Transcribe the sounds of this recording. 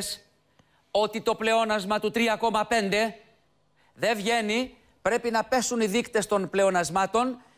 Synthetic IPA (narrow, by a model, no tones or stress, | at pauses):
s | o̞t̪it̪o̞ple̞o̞nɐzmɐt̪ut̪ɾiɐko̞mɐpe̞nd̪e̞ | ðe̞vʝe̞ni | pɾe̞pinɐpe̞suniðikt̪e̞st̪o̞nple̞o̞nɐzmɐt̪o̞n